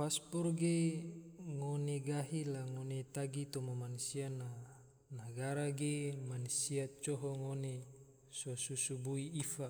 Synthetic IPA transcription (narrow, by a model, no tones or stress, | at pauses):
paspɔrɡe | ŋoneɡaɦilaŋonet̪aɡit̪omamansiana | naɡaɾaɡemansiat̪̚t͡ʃoɦɔŋone | sosusubuiifa